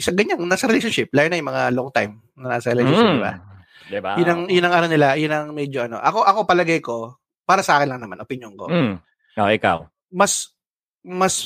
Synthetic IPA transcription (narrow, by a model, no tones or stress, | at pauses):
sɐɡɐɲaŋnaːsɐɾɛɪlɛʃonʃɪp̚laːjonɐjʊmɐŋaloŋt̪ajm | nɐnaːsɐɾɛlɛʃoʃɪnba̰ | d̪ɪbajʊnɐŋjʊnːɐŋʔaːɾɐwnɪlajʊnɐŋmɛd͡ʒoʔɐno̞̰ʔɐko̞ʔɐko̞pɐlɐɡajko̞ | paːɾɐsɐʔaːkɪnlɐŋnɐmanʔopɪɲjonko̰ | oʔɪka̰w | mɐs | mɐs